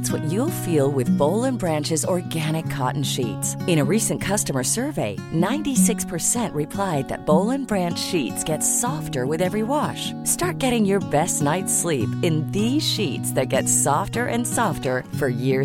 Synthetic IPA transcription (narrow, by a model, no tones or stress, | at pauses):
tswʌt͡ʃulˠfilˠwɪðboʊlˠə̃nbɹæ̃nt͡ʃɨzɔɹɡæɾ̃ɨkʰɑ̰ʔn̩ʃḭtsɨ̃ɾ̃ɨɹisɨ̃nkʰʌstəmə˞sɜ˞veɪnãɪ̃ntisɪkspʰə˞sɛ̃nʔɹɨpʰl̥aɪd̪̚ðɨ̰t̚b̥oʊlˠɨ̃nbɹæ̃nt͡ʃʃitsɡ̥ɛtsɔftə˞wɨðɛvɹiwɑʃ | stɑɹt̚ɡ̥ɛɾɪ̃ŋjə˞bɛstⁿnaɪtslipɨ̃nðiz̥ʃitsðɨt̚ɡ̥ɛtsɔftə˞ʔɨ̰̃nsɔftə˞fə˞jɪɹ